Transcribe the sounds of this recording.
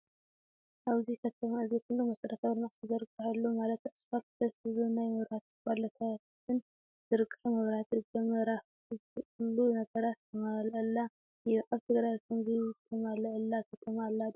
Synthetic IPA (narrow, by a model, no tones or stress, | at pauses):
ʔaβzikʰɐt̪ʰɐmaɨzekʰulːumɐsɐɾɐt̪ʰawlmaʕsɨzɐɾɨkʼːɨħalːumalɐt̪ɨsfak̪t̪ʰɐsɨβɨnajmɐβat̪balɐt̪ʰa | ɨn | zɨɾɨkʼːɨħmɐβɾat̪ɨɡɐmɐɾaf | ulːunɐɡɐɾast̪ʰɐmalʔəlːa | jʔaβt̪ʰɨɡɾajt̪ʰɨnɡɨt̪ʰɐmalɐʔɐlːakʰɐt̪ʰɐmalːa